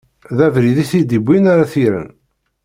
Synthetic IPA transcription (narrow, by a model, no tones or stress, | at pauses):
ðævɾiðiθid̪ibʷːinaɾaθiɾə̰n